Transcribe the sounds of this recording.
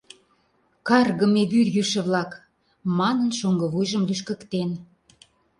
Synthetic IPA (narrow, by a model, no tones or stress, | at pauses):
kɑrɣə̆meβyrjyʃə̆βlɑk | mɑnənʃoŋɡɤ̆βujʒəmlyʃkə̆kt̪en